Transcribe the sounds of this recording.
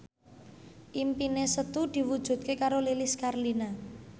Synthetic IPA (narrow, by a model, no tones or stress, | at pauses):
ʔimpinesət̪ud̪̥i̤wud̥ʒ̥ṳd̪̚kekaɾolelɪskarlina